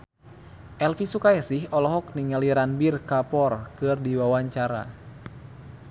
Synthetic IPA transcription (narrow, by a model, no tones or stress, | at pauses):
ʔɛlfisukajasihɔlɔɦɔk̚niŋaliɾanbirkapɔrkɨrdiwawaɲt͡ʃaɾa̰